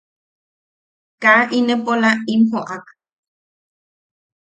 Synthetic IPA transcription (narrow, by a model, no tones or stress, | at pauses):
kaʔinəpolainhoʔak